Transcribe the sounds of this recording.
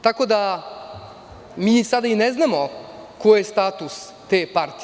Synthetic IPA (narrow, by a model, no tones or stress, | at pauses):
t̪ako̞d̪a | miːsad̪aineznamokojest̪aːt̪us | t̪eːpaɾt̪i